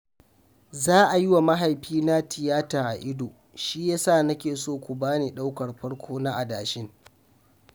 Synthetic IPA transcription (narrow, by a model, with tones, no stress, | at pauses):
zaː˦ʔa˨jɪ˦wa˨ma˦ɦa˨jɸiː˦na˦tʰɪ˨jaː˦taː˨ʔa˨ʔɪ˦doː˨ | ʃiː˦jaː˦saː˦˨nɐ˦kʲeː˨soː˦˨kʷu˨baː˦neː˨ɗa˦wkɐ˨rɸɐ˦ɽkʷʰoː˦na˦ʔa˨daː˨ʃɪ˦ŋ